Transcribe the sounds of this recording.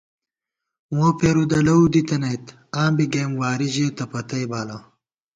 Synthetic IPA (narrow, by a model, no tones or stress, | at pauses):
wõpʰeːɾud̪ɐlɐwd̪it̪ɐnejt̪ | aːmbiɡeːmwaːɾiʑet̪ɐpɐt̪ɐjbaːla